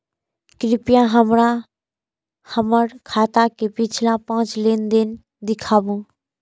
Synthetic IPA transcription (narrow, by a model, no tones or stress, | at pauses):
kɾɪpjãɦəmɾã | həməɾkʰaːt̪akepɪt͡ʃʰlãpãːt͡ʃlend̪en | d̪ɪkʰaːbũ